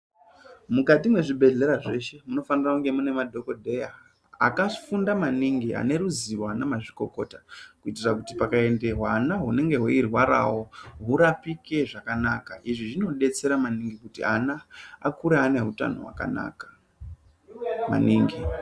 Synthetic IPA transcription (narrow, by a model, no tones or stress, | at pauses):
mukatimwe̞ʐibʱe̞ɮe̞ɾaʐe̞ʃe̞muno̞fanirakuŋɡe̞mune̞madʱo̞ko̞dʱe̞ja | a̰kafundamaniŋɡia̰ne̞ɾuziwanamaʐiko̞ko̞̰takuitirakutipakae̞nde̞ɦwanaɦune̞ŋɡe̞ɦoirwaɾa̰wo̞ɦuɾapike̞ʐakanakaʔiʐiʐino̞ɗe̞t͡se̞ɾamaniŋɡikutia̰naa̰kuɾeane̞ɦuta̰no̰ɦwa̰ka̰na̰ːkḁ | ma̰niːŋɡi